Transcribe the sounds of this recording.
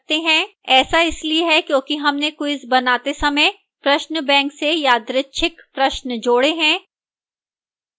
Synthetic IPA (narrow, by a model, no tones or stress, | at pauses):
t̪eɦɛ̃ːɛːsaɪslieɦɛkjõːkiɦɐmnekoɪsbɐnaːt̪esɐməj | pɾɐʃnbɛ̃ːŋksejaːd̪ɾɪtːʃʰɪkpɾɐʃnd͡ʒoːɽeɦɛ̃ː